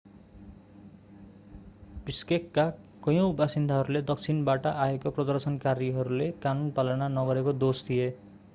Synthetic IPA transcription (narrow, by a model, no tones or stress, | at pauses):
biskekːa | kʌjõwbasind̪ʱaɦʌɾuled̪ʌk̚t͡sʰinbaʈʌʔaekoprʌd̪ʌrsʌnkaɾiɦʌɾulekanunpalʌnanʌɡʌɾekod̪osd̪ʱije